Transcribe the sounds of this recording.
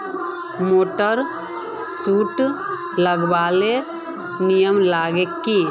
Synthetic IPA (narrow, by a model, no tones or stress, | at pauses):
moːʈəɾ | suːʈ | ləɡbaːle | nijəmlaːɡekːi